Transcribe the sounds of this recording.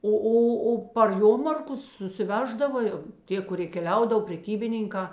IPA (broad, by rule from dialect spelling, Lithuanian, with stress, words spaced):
ˈoː ˈoː oː pɐr ˈjoːmɐrkʊs sʊsʲɪˈʋʲæːʒdɐʋɐ jɛʊ ˈtʲiɛ kʊˈrʲiɛ kʲɛˈlʲɛʊdɐw pʲrʲɛˈkʲiːbʲɪnʲɪŋkɑː